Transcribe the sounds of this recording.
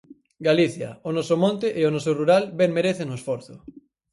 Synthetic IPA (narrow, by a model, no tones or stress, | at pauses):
ɡaliθja̰onɔsomõnt̪eʔeonosoruɾalbeŋmeɾeθenoesfoɾθo